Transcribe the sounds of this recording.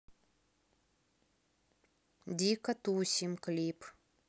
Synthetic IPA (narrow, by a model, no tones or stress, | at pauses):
d̪ʲikɐt̪usʲimklʲip